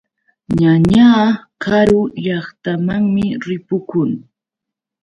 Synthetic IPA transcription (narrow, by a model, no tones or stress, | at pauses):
ɲaɲaːkaɾʊʎɑχt̪amaŋmɪɾɪpʊkʊŋ